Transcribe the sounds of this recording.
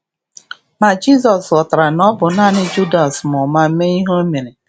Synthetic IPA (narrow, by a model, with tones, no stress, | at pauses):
na˨d͡ʒi˦zɔ˨sɔ˨ta˨ɾa˨nɔ˦bʊ˨na˦nɪ˦d͡ʒu˦da˨smʊ˨ma˦m̩˦me˦i˦ɦo˦me˨ɾe˨